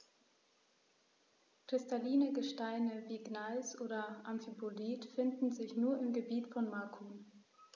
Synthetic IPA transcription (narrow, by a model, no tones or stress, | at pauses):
kʁ̥ɪstaliːnəɡəʃtaɪnəviːɡnalsʔoːdɐʔamfipʰoliːtfɪndn̩zɪçnuːɐɪmɡəbiːtfɔnmakʰuːn